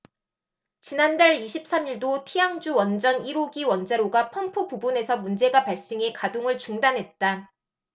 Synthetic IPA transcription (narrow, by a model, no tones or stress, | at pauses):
t͡ɕinandaɭiɕʰip̚s͈amiɭdotʰijaŋd͡ʑuwʌnd͡ʑʌniɾoɡiwʌnd͡ʑaɾoɡapʰʌmpʰupubune̞sʰʌmund͡ʑe̞ɡwapaɭs͈eŋe̞kadoŋɯɭt͡ɕuŋdanɦe̞t̚t͈a